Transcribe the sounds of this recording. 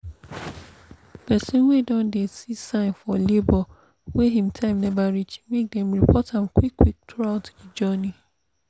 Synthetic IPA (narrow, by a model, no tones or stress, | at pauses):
pɛsĩnwedɔ̃ndesisãɪ̃nfɔlebɔ | weɦĩmtʰãɪ̃mnɛbaɹit͡ʃmek̚dɛ̃mɹipʰɔthãmkʰwikʰːwik̚tʰaʊtid͡ʒɔnĩ